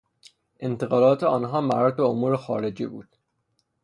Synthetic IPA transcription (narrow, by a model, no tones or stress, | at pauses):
ʔe̞nt̪ʰeɣɒːlɒːt̪ʰeɒːnɦɒːmæɾɒd̪̚beomuːɾexɒːɾe̞d͡ʒḭːbṵːd̪̥